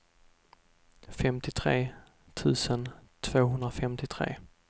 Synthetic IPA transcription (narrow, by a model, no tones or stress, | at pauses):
fɛmt̪ɪt̪ʰɾeː | t̪ʰʉ̟ːsənt̪ʰv̥oːɦɵnd̪ɾafɛmt̪ɪt̪ʰɾḛː